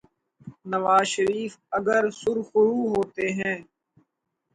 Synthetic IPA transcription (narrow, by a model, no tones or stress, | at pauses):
nəʋaːzʃəɾiːfəɡəɾsʊɾxʊɾuːɦoːt̪eɦɛ̃ː